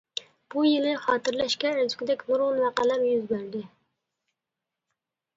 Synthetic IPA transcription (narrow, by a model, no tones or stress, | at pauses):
b̥ujenɪχɑːt̪ɨɾlɛʃkʲɛzkʲɪd̪ɛkʲmuɾʁʊnmæqælæɾjyzbæɾd̪ɪ